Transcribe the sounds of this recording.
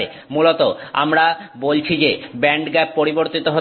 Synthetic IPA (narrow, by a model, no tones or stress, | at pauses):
e | mulot̪oa̰mɾabolt͡ɕʰid͡ʑebɛɳɖɡɛpːoɾiboɾt̪it̪oɦo